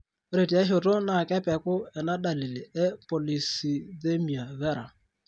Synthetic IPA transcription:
ɾe˨ti˨a˦ʃo˨to˦na˦˨kɛ˦pɛ˨kʊ˦ɛ˨na˦ɗa˨li˨li˨ɛ˦po˨li˨si˨ðe˦mi˨a˨βɛ˦ɾa˨

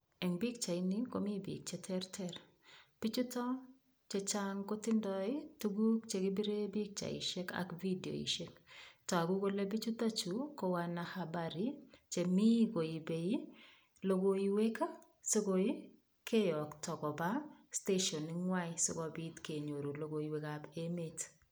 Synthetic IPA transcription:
ɛ˨ŋbi˦k̚t͡ʃa˨i˦ni˦ko̰˦mi˦bḭ˨k̚t͡ʃe˦tʰɛ˦rtʰɛɾ | b̥i˦t͡ʃu˦tɔ˦ | t͡ʃe˨t͡ʃa˦ŋko˦tɪ˦ndɔ˦ɪ˦tu˦ɡu˦kt͡ʃe˨ɡɪ˦bi˦ɾe˦bi˦k̚t͡ʃa̰˨ḭ˨ʃɛ˦ka̰˨kvi˦di˨o̰˨ḭ˨ʃe˦ktɔ˨a˨ɡu˦ko˦le˦bi˦t͡ʃu˦ta˦t͡ʃu˨ko˦wa˨na˨habaɾi˦t͡ʃe˨mi˦ɡo˨i˨be˨i˦ | lo˨ɡo˦iwe˦ka˦ | so˦ɡo˨i˦ | kʰe˦jɔ˨ktɔ˨kɔ˨ba˦ste˦ʃɔ˨ni˨ŋwa˦ɪsɪ˦kɔ˨bi˦tke˨ɲo˨ɾo˨lo˨ɡo˨i˨we˨kabe˦met

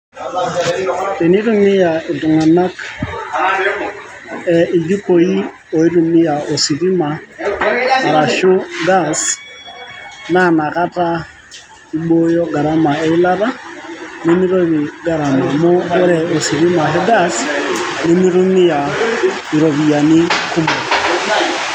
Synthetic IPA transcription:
tɛ˨ni˦ɾu˦mi˦ja˨i˨tu˨ŋa˨na˦k | ɛ˨i˨d͡ʒi˦ko˨ji˦ | ɔ˨i˦ɾu˨mi˦ja˨o˨si˨ɾi˦ma˨ | ma˨ɾa˨ʃʊ˦ɡa˦s | na˦˨na˨ka˦ta˦ | i˦ɓo˦jɔ˦ɡa˨ɾa˦ma˨ɛ˦i˦la˦ɾa˦ni˦mi˦ɾo˦βi˨ɡa˨ɾa˨mɔ˨mɔ˦ɡɛ˦ɾɛ˨ɔ˨si˨ɾi˦ma˨ɦɛ˦ɡa˦sni˦mi˦ɾu˦mi˦ja˨i˨ɾo˨βi˨ja˨ni˦ku˦mu˨

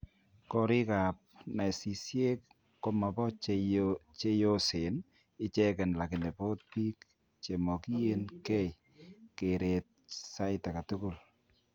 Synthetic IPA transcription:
kɔ˨ɾɪ˦ka˨p̚na˨i˨si˨sje˦kː | o˦ma˨bɔ˦t͡ʃt͡ʃe˦jo˦se˨n | ɪ˦t͡ʃɛ˦kɛ˨nla˨kɪ˨nɛ˨po˦t̪̚pi˦k | t͡ʃe˨mɔ˨ki˦je˦nkɛ˦j | ke˨ɾe˨t̚sa˦ɪta˨ka˨tu˦ku˨l

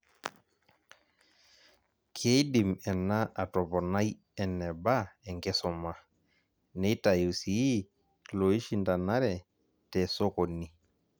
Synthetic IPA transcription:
kʰe˦jdi˨mɛ˨na˦ʔa˨to˨pɔ˨na˦j | ɛ˨nːɛ˨ba˦ɛ˨ŋɡɛ˦sɔ˨ma˨ | nɛ˦i˦ta˨ju˨si˨i˦ | lo˨i˦ʃi˦˨nda˨na˦ɾɛ˨ | tɛ˨so˦ko˨ni˨

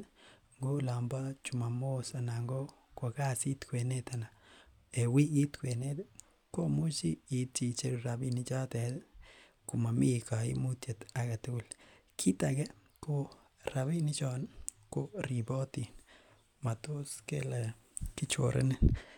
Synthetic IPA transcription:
ŋɡo˦la˨mba˦t͡ʃu˨ma˨mo˦sa˨na˨ŋɡo˦ | koa˨ka˦si˦t̪kwe˨ne˦t̪a˨na˨ | e˨wi˦ɡi˦t̪kwe˨net | ko˦mu˦t͡ʃiː˦˨tt͡ʃi˨t͡ʃe˦ɾɾa˨bi˦ni˦t͡ʃa˦tɛ˨ | ku˨ma˨mi˦ka˨ḭ˦mu˦t̪je˨t̪a˨ka˨tɪ˦u˦˨lkʰi˦takɛ˦ | ko˦ | ɾa˨βi˦ni˦t͡ʃɔn | ko˦ɾibɔ˦ti˨n | ma˨t̪o˦skḛ˦la˨kɪ˦t͡ʃo̰ɾʔḛ˦nɪ˦n

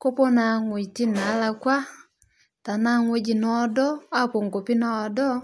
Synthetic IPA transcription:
ko˦pɔ˦na˨ŋwe˨i˨ti˦na˨˦la˨kwa˦ | ta˨na˦ŋwe˦d͡ʒi˨nɔ˦dɔ˦a˦po˨ŋɡo˨pi˦na˨ɔ˨dɔ˦

